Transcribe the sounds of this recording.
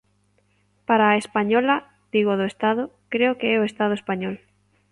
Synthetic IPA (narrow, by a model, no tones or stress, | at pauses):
paɾaːespaɲɔlɐ | d̪̥iɣoðʊest̪aðʊkɾeʊkeɛoest̪að̞ʊespaɲɔl